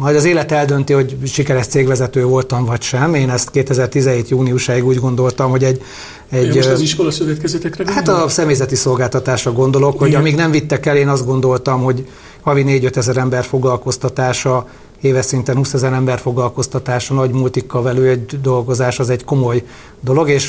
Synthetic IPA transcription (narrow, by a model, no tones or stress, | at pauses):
mɒjd̪ɒzeːlɛt̪ɛld̪ø̞nt̪iho̞ɟʃikɛɾɛʃt̪seːɡʋɛzɛt̪øːvo̞lt̪ɒɱvɒcʃɛmeːnɛst̪keːt̪ɛzɛrt̪izɛɦeːt̪juːniuʃaːiɡuːɟɡo̞nd̪o̞lt̪ɒmho̞ɟɛɟ | ɛɟiʃkolɒsøvɛt̪kɛzɛt̪ɛkrɛhat̪ɒsɛmeːjzɛt̪iso̞lɡaːlt̪ɒt̪aːʃrɒɡo̞nd̪o̞lo̞kho̞ɟɒmiːɡnɛɱvit̪ːɛkɛleːnɒzd̪ɡo̞n̪d̪o̞lt̪ɒmɦo̞ɟ | hɒvineːɟø̞t̪ɛzɛɾɛmbɛrfo̞ɡlɒlko̞st̪ɒt̪aːʃɒ | eːvɛsint̪ɛnhuːsɛzɛɾɛmbɛrfo̞ɡlɒlko̞st̪ɒt̪aːʃɒnɒɟmult̪ikːɒvɛløːɛɟd̪o̞lɡo̞zaːʃɒzɛɟko̞mo̞j | d̪o̞lo̞ɡeːʃ